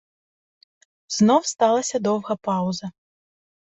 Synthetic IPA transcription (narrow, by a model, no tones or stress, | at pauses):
znɔwst̪alˠɐsʲɐd̪ɔwɣɐpawzɐ